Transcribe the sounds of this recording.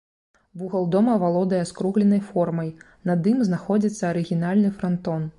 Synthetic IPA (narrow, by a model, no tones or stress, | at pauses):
buɣɐlˠd̪ɔmɐvalˠɔd̪ɐjɛskɾuɣlʲɛnɐjfɔrmɐj | nɐd̪ɨmznaxɔd͡zʲit̪sːɐɐɾɨɣʲinalʲnɨfɾant̪ɔn